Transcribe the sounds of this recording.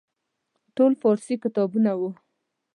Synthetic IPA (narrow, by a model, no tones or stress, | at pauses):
ʈolfɑɾsikɪt̪ɑbunawu